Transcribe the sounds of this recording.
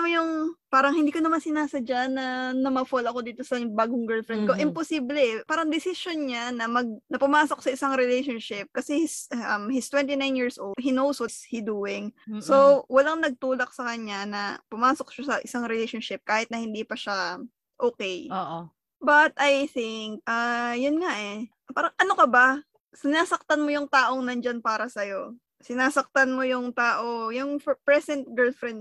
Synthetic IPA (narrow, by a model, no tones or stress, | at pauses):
ɐmjʊŋpaːɾɐŋhɪnd̪iːkonɐmansɪnaːsɐd͡ʒanːɐnɐmɐfolɐko̞d̪iːt̪osɐbaːɡʊŋɡɛɹlfɾɛnd̪koʔɪmposiːblɛpaːɾɐŋd̪ɪsɪʃonɲanɐmɐɡ̚nɐpʊmaːsok̚sɐʔɪsaŋɾɛlejʃonʃɪp̚kɐsɛhɪsɐmhɪst̪wɛnt̪inajnjiɹsʔoldɦinowswɔt̪shid̪uːɪŋsowɐlaŋnɐɡ̚t̪uːlɐk̚sɐkɐɲanɐpʊmaːsok̚ʃɐsɐʔɪsaŋɾɛlejʃonʃɪp̚kaːhɪt̪nɐhɪnd̪iːpɐʃa | ʔoːkɛjoʔ | bɐt̪̚ʔajθɪŋk̚ʔaːjʊnŋaʔɛ | paːɾɐŋʔɐnokɐbɐ | sɪnaːsɐk̚t̪ɐnmojʊŋt̪aːʔoŋnɐnd͡ʒanpaːɾɐsɐjo̞ | sɪnaːsɐk̚t̪ɐnmojʊŋt̪aːʔojʊŋfpɹɛsɛnt̪̚ɡɛɹlfɾɛnd̪